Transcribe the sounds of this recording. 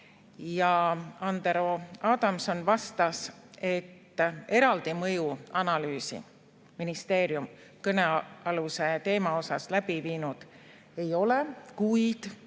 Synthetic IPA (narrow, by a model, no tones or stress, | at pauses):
jɑɑnd̪eɾo̞ɑːd̪ɑmso̞nvɑst̪ɑs | e̞t̪ːe̞ɾɑld̪̥imɤjuɑnɑlyːsḭ | minist̪e̞ːɾjum | kɤne̞ɑluse̞t̪e̞ːmɑo̞sɑslæb̥iviːnud̪̥ | e̞jo̞lekujd̪̥